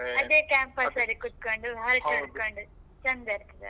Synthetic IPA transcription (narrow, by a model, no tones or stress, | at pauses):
ɐd̪eːkaːmpɐsɐɾikut̪̚koɳɖuɐɾt͡ʃɐnɖkoɳɖu | t͡ʃɐnd̪ɐɾt̪ɐd̪ɐ̰